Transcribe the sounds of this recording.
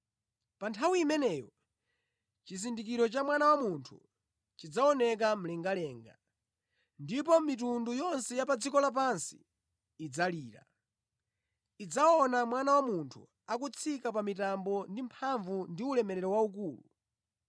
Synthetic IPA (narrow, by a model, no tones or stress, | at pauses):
pantʰawimɛnɛjɔ | t͡ʃisindikiɾɔt͡ʃamwanawamuntʰṵ | t͡ʃid͡zaɔnɛk̬am̩lɛŋɡalɛːŋɡa | ndip̬ɔmitundujɔnsɛjapad͡zikɔlap̬ansi̥̰ː | d͡zaliːɾa̰ | id͡zaɔnamwanawamuntʰu | akut͡sʰikap̬amitambɔndimpʰaɱvundiulɛmɛɾɛɾɔwauk̬uːlṵ